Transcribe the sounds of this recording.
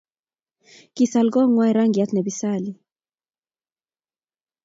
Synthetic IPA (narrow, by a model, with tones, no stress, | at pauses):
kisa˨lɡɔ˦ŋwa˦iɾa˦ŋɡia˦t̪nɛ˨bisali